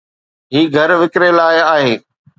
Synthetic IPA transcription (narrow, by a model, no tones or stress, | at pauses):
ɦiːɡʱɐɾʋɪkɾelaːɪaːɦeː